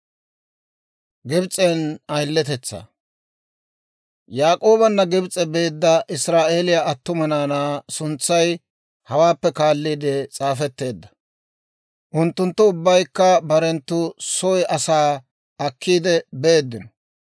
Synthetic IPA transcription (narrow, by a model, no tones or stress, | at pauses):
ɡɪbt͡sʼenɐjlːɛt̪ɛt͡sːa̰ | jaːkʼo̞ːbɐnːɐɡɪbt͡sʼːɛbe̞ːd̪ːɐʔɪsɾaːʔe̞ːlɪjaɐt̪ːʊmɐnaːnaːsʊnt͡sːɐj | hɐwaːpːɛkaːlːiːd̪ɛt͡sʼaːfɛt̪ːe̞ːd̪ːɐ̥ | ʔʊnt̪ːʊnt̪ːʊʊbːɐjkːɐbɐɾɛnt̪ːʊsɔjɐsaː | ɐkːiːd̪ɛbe̞ːd̪ːɪnɔ̥